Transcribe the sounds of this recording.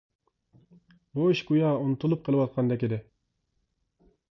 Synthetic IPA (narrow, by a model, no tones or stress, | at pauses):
boʃɡujɑunɨt̪ʰulˠup̚qʰəlˠɨwɑt̪̚qʰɑnd̪ɛkʲid̪ɪ